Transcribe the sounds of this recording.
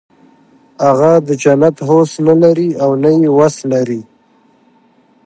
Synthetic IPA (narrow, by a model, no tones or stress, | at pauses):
aɣad̪əd͡ʒanat̪ɦosnalaɾiawnajewaslaɾi